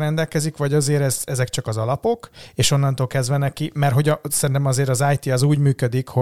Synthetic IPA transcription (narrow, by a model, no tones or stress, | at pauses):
ɾɛnd̪ɛlkɛzikʋɒɟɒzeːɾɛzɛzɛkt͡ʃɒkɒzɒlɒpo̞keːʃo̞nːɒnt̪oːlkɛzd̪ʋɛnɛkimɛrɦo̞ɟɒsɛɾint̪ɛmɒzeːɾɒzaːjt̪iɒzuːɟmyːkød̪ikho